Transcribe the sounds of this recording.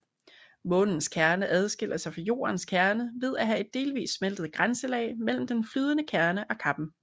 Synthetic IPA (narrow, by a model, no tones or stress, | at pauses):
mɔ̽ːnn̩skʰæɐnəʔæð̞ˠsɡ̥e̝l̰ɐsɑ̈ɪfɒ̽jo̝̰ːɐnskʰæɐnəʋe̝ð̞ˠæɦæe̝d̥̚ːe̝̰ːlʋḭːsːmel̰d̥əð̞̩ˠɡ̥ʁansəlɛ̰ɪmel̰m̩d̥enflyːð̞ˠənəkʰæɐnəʔɒ̽kʰɑ̈b̥n̩